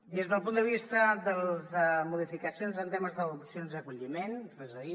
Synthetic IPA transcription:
d̪ezðəlˠpund̪əβist̪əd̪əlˠzmuðifikəsionzənt̪eməzðəupsijonzðəkuʎimenrezəði

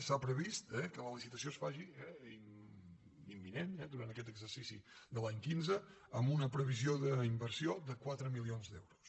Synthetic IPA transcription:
sapɾəβist̪ɛkələlisit̪əsiosfaʒiɛ | imːinenɛd̪uɾant̪əkɛt̪əɡzəɾsisid̪əlˠaɲkinzə | əmbunəpɾəβ̞izioðəimbəɾsioðəkwat̪ɾəmilionzd̪ɛ̰wɾus

